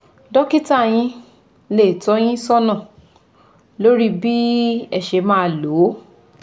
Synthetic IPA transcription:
dɔ˦ki˦ta˦˨j̃ĩ˧ | le˦˨tɔ˨˧˦j̃ĩ˦sɔ˦nã˦˨ | lo˦ɾi˦bi˦ɛ˦˨ʃe˧mãː˦˨lo˨˦

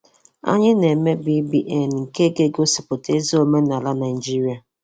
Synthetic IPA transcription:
a̰˦ɲɪ˦ne˨me˦bi˦bi˦ʔe˨n˨ŋ̩˨ke˦ɡe˦ɡo˦sɪ˨pʊ˨te˦zo˦me˦na˨la˦na˨ɪ˨d͡ʒi˦ɾi˨a˨

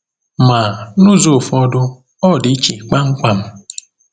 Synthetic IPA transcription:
ma˨nʊ˦zo˨fɔ˦dʊ˦ | ɔ˦˨di˨˦t͡ʃi˨k͡pa˦ŋ̩˦kʷa˨m̩˦

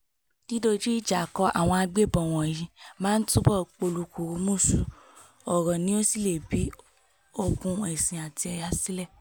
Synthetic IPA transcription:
d̥i˦do˧d͡ʒi˦i˦˨d͡ʒa˨kɔ˧˦ʔa̰˦˨w̃ɔ̃˧a˧ɡ͡be˦˨bɔ˨w̃ɔ̃˨jĩ˧mãː˦n̩˦tũ˦bɔ˦˨k͡po˧˨lu˧˨ku˨˧˦mũ˦˨su˨ | ɔ˨ɾɔ̃˨nĩ˦o˦si˦le˨bi˨˦ | o˧kũ˧ɛ˨sĩ˨a˨ti˧ɛ˧ja˧˦si˦lɛ˦˨

